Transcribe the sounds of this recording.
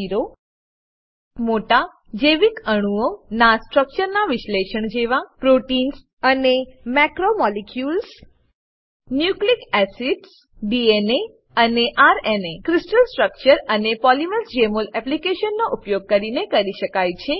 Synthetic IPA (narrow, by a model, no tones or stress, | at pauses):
iɾo | moʈa | d͡ʒeʋikəɽ̃uonasʈɾək̚t͡ʃəɾnaʋɪʃleʃəɳd͡ʒeʋapɾoʈins | ənemɛkɾomɔlekjuls | njuklikɛsiɖs | ɖiene | əneʔaɾenekɾisʈəlsʈɾək̚t͡ʃəɾənepɔliməlsd͡ʒemolɛplikeʃənːoʔupjoɡ̚kəɾinekəɾiʃəkajt͡ʃʰe